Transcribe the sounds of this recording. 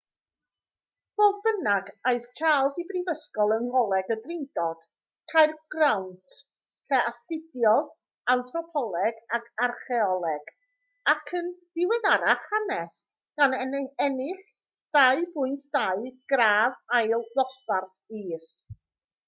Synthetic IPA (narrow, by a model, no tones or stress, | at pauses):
v̥oːðbənaɡajst͡ʃʰaːlˠsibrivəskɔlˠənɔlˠɛɡədrɪndɔd̥ | kʰajrɡ̥rawntʰ | kʰɛastɪdjɔð | anθrɔpʰɔlˠɛɡakʰarχɛɔlˠɛɡ̥ | akʰənd̥ɪwɛðaɾaχanɛs | ɡ̥anɛnɛnɪχ | d̥aɨbʊɨntʰd̥aɨɡ̥raːvajlˠðɔsvarθiːs